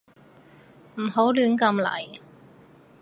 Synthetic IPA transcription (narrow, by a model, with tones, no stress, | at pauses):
m̩˨˩ho˨˥wlyː˨˥nkɐ˧mlɐ̰˨˩j